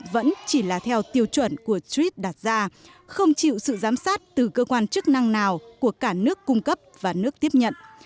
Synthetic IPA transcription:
və̰˧˥nt͡ɕi˧˩laː˨˩t̪ʰɛ˧wt̪i˧əwt͡ɕwə˧˩nku˧˩əswi˦˥t̚ɗaː˨˩t̚zaː˧ | xə˧wŋ͡mt͡ɕḭ˧˨wsɨ̰˧˨zaː˨˦msaː˦˥t̚t̪ɨ˨˩kəː˧kwaː˧nt͡ɕɨ˦˥k̚na˧ŋnaː˨˩wku˧˩əkaː˧˩nɨ˦˥əkːʊ˧ŋ͡mkə˦˥p̚vaː˨˩nɨ˦˥ək̚t̪i˦˥əp̚ɲə̰˧˨n

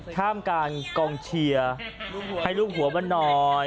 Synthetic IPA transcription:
kʰaː˥˩mkaː˧nkɔː˧ŋt͡ɕʰi˧ɐha˥˩jluː˥˩k̚hu˩˦ɐba˧˥nːɔː˧

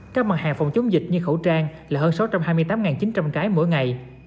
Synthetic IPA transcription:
kaː˦˥k̚ma˨˩t̚haː˨˩ŋfɔ˨˩wŋ͡mt͡ɕʊ˨˦wŋ͡mzï˨˩k̚ɲɨ˧xə̰˧˩wt͡ɕaː˧ŋlaː˨˩həː˧nsa˨˦wt͡ɕa˧mhɦaː˧jmɨ˧jt̪aː˨˦mŋaː˨˩nt͡ɕi˨˦nt͡ɕa˧mkaː˨˦jmo̰˧˥˨jŋa˨˩j

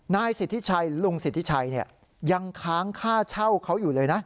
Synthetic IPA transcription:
naː˧jsi˨˩t̪ʰːi˦˥t͡ɕʰa˧jlu˧ŋsi˨˩t̪ʰːi˦˥t͡ɕʰa˧jni˥˩ɐ | ja˧ŋkʰaː˦˥ŋkʰaː˥˩t͡ɕʰa˥˩wkʰa˦˥wjuː˨˩lɤː˧jna˦˥ʔ

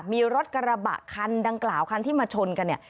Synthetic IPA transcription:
miː˧ɾo˦˥t̪̚ka˧ɾa˧ba̰˨˩ʔkʰa˧ndaː˧ŋklaː˨˩wkʰa˧nt̪ʰiː˥˩maː˧t͡ɕʰo˧nka˧nːi˥˩ɐ

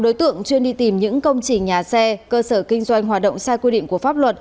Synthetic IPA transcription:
ɗo˨˦jt̪ɨ̰˧˨əŋt͡ɕwi˧ənɗi˧t̪i˨˩mɲɨ̰˧˥ŋkə˧wŋ͡mt͡ɕï˨˩ŋ̟ɲaː˨˩sɛ˧kəː˧səː˧˩kï˧ŋ̟zwa˧jŋ̟ɦwaː˨˩t̚ɗə̰˧˨wŋ͡msaː˧jkwi˧ɗḭ˧˨ŋ̟ku˧˩əfaː˦˥p̚lwə˨˩t̚

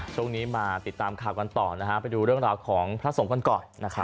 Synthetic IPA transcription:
t͡ɕʰu˥˩əŋniː˦˥maː˧t̪i˨˩t̪ːaː˧mkʰaː˨˩wka˧nt̪ɔː˨˩na˦˥kʰa˦˥pa˧jduː˧ɾɯ˥˩əŋɾaː˧wkʰɔː˩˦ŋpʰɾa˦˥so˩˦ŋka˧nkɔː˨˩nːa˦˥kʰɾa˦˥

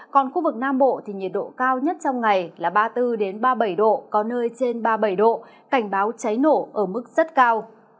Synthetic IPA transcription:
kɔ˨˩nxu˧vɨ˨˩k̚naː˧mɓo̰˧˨t̪ʰi˨˩ɲi˨˩t̚ɗo̰˧˨kaː˧wɲə˦˥t̚t͡ɕɔ˧wŋ͡mŋa˨˩jlaː˨˩ɓaː˧t̪ɨ˧ɗe˨˦nɓaː˧ɓə˧˩jɗo̰˧˨kɔ˨˦nəː˧jt͡ɕe˧nɓaː˧ɓə˧˩jɗo̰˧˨ | ka˧˩jŋ̟ɓaː˨˦wt͡ɕa˨˦jno˧˩ʔəː˧˩mɨ˦˥k̚z̥ə˦˥t̚kaː˧w

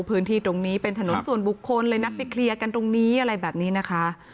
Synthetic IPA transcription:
pʰɯː˦˥nt̪ʰiː˥˩t̪ɾo˧ŋniː˦˥pe˧nt̪ʰa˧no˨˩˦nsu˨˩ənbu˨˩kʰːo˧nlɤː˧jna˦˥t̪̚pa˨˧jkʰli˧əka˧nt̪o˧ŋniː˦˥ʔa˧ɾa˧jbɛː˨˩p̚niː˦˥na˦˥kʰa˦˥ʔ

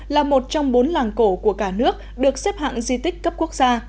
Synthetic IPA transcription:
laː˨˩mo˨˩t̚t͡ɕɔ˧ŋ͡mɓo˨˦nlaː˨˩ŋko˧˩ku˧˩əkaː˧˩nɨ˦˥ək̚ɗɨ˨˩ək̚sɛ˦˥p̚ha̰ː˧˨ŋzi˧t̪ï˦˥k̟̚kə˦˥p̚ku˦˥ək̚zaː˧

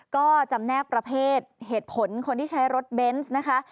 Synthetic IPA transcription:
kɔː˥˩t͡ɕa˧mnɛː˥˩k̚pɾa˧pʰeː˥˩t̪̚heː˨˩t̪̚pʰo˩˦nkʰo˧nt̪ʰiː˥˩a˦˥jɾo˦˥t̪̚be˦˥nsna˦˥kʰa˦˥ʔ

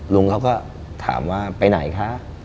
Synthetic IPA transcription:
lu˧ŋkaː˦˥˩wkɔː˥˩ | t̪ʰa̰ː˩˦mwaː˥˩pa˧jna˨˩˦jkʰa˦˥ʔ

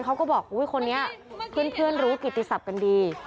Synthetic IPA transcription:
nkʰa˦˥wkɔ˥˩bɔː˨˩k̚huː˦˥jxʰo˧nːi˦˥ɐpʰɯ˥˩ənpʰɯ˥˩ənɾuː˦˥ki˨˩t̪ːi˧sa˨˩p̚ka˧ndiː˧

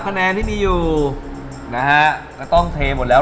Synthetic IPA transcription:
kʰa˧nɛː˧nt̪ʰiː˥˩miː˧juː˨˩ | na˦˥kʰa˦˥ka˥˩t̪ɔ˥˩ŋt̪ʰeː˧mo˨˩t̪̚lɛː˦˥

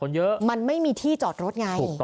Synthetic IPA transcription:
kʰo˧njɤ˦˥ʔma˧nma˥˩jmiː˧t̪ʰiː˥˩t͡ɕɔː˨˩t̪̚ɾo˦˥t̪̚ŋa˧jʰuː˨˩˧

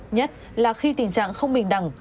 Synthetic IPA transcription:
ɲə˦˥t̚ | laː˨˩xi˧t̪i˨˩ŋ̟t͡ɕa̰ː˧˨ŋxə˧wŋ͡mɓï˨˩ŋ̟ɗa˨˩ŋ

